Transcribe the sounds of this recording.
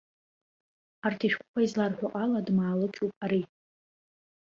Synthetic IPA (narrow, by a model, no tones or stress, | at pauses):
artʰiʃᶣkʷʰʼʊkʷʰaizlarħʷᶣaqʼaladmaːlɨkʲʰupʼaɾi